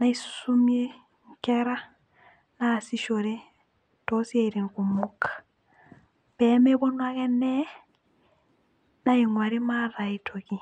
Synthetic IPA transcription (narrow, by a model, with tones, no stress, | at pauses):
na˦i˦ssu˦mie˦ | ŋ̩˦kɛ˦ɾa˦ | na˨si˦ʃo˨ɾe˦ | tɔ˦si˦e˦iɾe˨ŋ̩ku˨mu˦kʰḁ | b̥ɛ˨˦me˦bɔ˦nwa˦kɛ˦nɛ˦ | na˦i˨ŋwa˨ɾi˦ma˦ɾa˨i˦tʰo˨ki˨